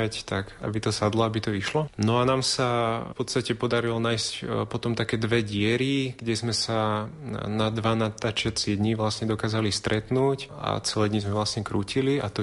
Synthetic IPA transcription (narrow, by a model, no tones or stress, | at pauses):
act̪aka̰bit̪ɔsad̪lɔabit̪ɔiʃlɔnɔanaːmsapɔt̪st̪acɛpɔd̪aɾilɔnaːjscpɔt̪ɔmt̪akɛːd̪ʋɛɟɪɛɾiɡ̥ɟɛzmɛsa | nad̪ʋanat̪aːt͡ʃɪat͡sɪɛd̪ɲiʋlasɲɛd̪ɔkaːzalist̪ɾʔɛt̪nuːca̰t͡sɛlɛːd̪ɲizmɛʋlasɲɛkɾuːciliat̪ɔ